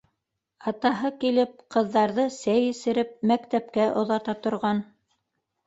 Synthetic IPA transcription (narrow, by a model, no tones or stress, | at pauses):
ɑt̪ɑɦɤkilɘp̚qɤ̆ðːɑɾðɤsæjɘ̆sɘ̆ɾɘp̚mækt̪æp̚kæʔŏðɑt̪ɑt̪ŏɾʁɑn